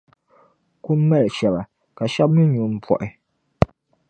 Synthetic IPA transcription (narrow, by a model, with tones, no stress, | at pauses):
ku˦m̩˦mɛ˦lɛ˨ʃɛ˨ba˨ | ka˨ʃa˦b̚mɨ˦ɲu˨m̩˦pʰɔ̰˨ʔɪ˨